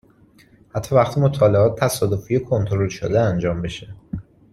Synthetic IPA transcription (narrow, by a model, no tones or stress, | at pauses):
hæt̪ʰːɒːvæxt̪ʰimot̪ʰɒːle̞ɒːt̪̚ʰːæsɒːd̪o̞fiːjekʰo̞nt̪ʰoɾo̞lʃo̰d̪eænd͡ʒɒːmbe̞ʃe